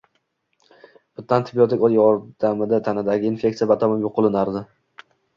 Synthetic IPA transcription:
b̥ɪt̪ːant̪ʰɪbiot̪ʰɪkɒljɒɾd̪̥amɪd̪at̪ʰanɪd̪aɡʲɪːnfʲe̞k̚t̪sijabat̪ʰamɪjoqʰːʊlˠɪnaɾd̪ɪ

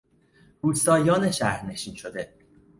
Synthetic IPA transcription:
buːst̪ɒːjɒːneʃæhɾne̞ʃiːnʃo̞d̪e

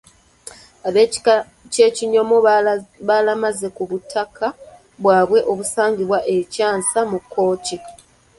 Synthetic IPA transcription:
aβe | ce̞ːciɲo̞moβalamaze̞kuβutʰːakʰa | βwaːβwe̞ʔo̞βusaːɲɡiβwaʔe̞caːnsamukʰːo̞ːci

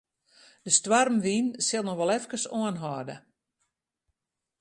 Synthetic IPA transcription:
d̥əstwarmʋinsɪlˠnɔxʋɔlˠɛfkəsoənɦɔdə

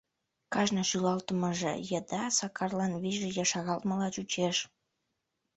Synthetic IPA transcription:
kɑʒnəʃylɑlt̪əməʒḛjəd̪ɑsɑkɑrlɑnβiʒejɑʃɑɣɑlt̪məlɑt͡ɕut͡ɕeʃ

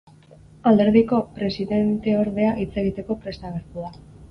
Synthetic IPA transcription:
ald̪e̞ɾðiko̞pɾe̞siðe̞nt̪e̞o̞ɾðe̞aʔit͡se̞ɣ̞it̪e̞ko̞pɾe̞st̪aɣ̞eɾt̪uða

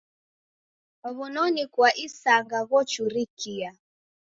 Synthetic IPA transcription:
ɔβunɔnikwaʔisaŋɡaɣɔt͡ʃuɾikia

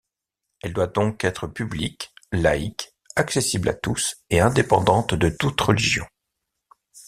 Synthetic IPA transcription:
ɛld̪wad̪ɔ̃kɛt̪χəpybliklaik | aksesiblʔa̰t̪useɛ̃d̪epɑ̃d̪ɑ̃t̪d̪ət̪ut̪ʁəliʒjɔ̰̃

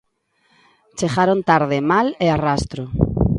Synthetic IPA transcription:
t͡ʃeɣaɾont̪aɾð̞ɪmalearast̪ɾʊ

